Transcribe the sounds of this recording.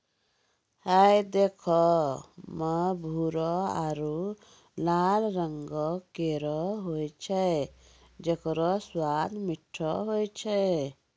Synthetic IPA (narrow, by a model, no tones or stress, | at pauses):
hɛjd̪ekʰɔ | məbʱuɾɔaɾu | lalɾaŋɡɔkeɾɔɦojt͡ʃʰɛ | d͡ʒekɔɾɔswad̪miʈʰːɔɦojt͡ʃʰɛ